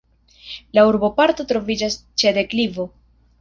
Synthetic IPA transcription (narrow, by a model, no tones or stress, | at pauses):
lauɾbo̞paɾt̪o̞t̪ɾo̞vid͡ʒas | t͡ʃede̞klivo̞